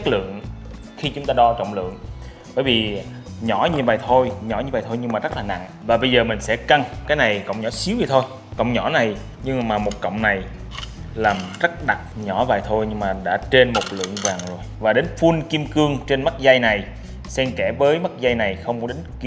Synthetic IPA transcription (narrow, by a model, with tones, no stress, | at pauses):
t͡ɕa˦˥k̚lɨ̰˧˨əŋ | xi˧t͡ɕʊ˨˦ŋ͡mt̪aː˧ɗɔ˧t͡ɕə̰˧˨wŋ͡mlɨ̰˧˨əŋ | ɓəː˧˩jvi˨˩ | ɲɔ˧˩ɲi˨˩˨wvaː˨˩jt̪ʰo˧jɲɔ̰˧˩˦ɲ˧˩vaː˨˩t̪ʰo˧jɲɨ˧ŋmaː˨˩zə˦˥t̚laː˨˩na̰˧˨ŋ | vaː˨˩ɓə˧jzəː˨˩mï˨˩ŋ̟sɛ̰˧˥ka˧ŋkaː˨˦jna˨˩jkə̰˧˨wŋ͡mɲɔ˧˩˥si˨˦wzi˨˩t̪ʰo˧j | kə̰˧˨wŋ͡mɲɔ˧˩na˨˩j | ɲɨ˧ŋmaː˨˩mo˨˩t̚kə̰˧˨wŋ͡mna˨˩j | laː˨˩mzə˦˥t̚ɗa˨˩t̚ɲɔ˧˩va̰ː˨˩jt̪ʰo˧jɲɨ˧ŋmaː˨˩ɗa̰ː˧˥t͡ɕe˧nmo˨˩t̚lɨ̰˧˨əŋvaː˨˩ŋzo˨˩jvaː˨˩ɗe˨˦nfu˧nki˧əmkɨ˧əŋt͡ɕe˧nma˦˥t̚za˧jna˨˩j | sɛ˧mkɛ˧˩vəː˨˦jma˦˥t̚za˧jna˨˩jxə˧wŋ͡mkɔ˨˦ɗe˨˦nk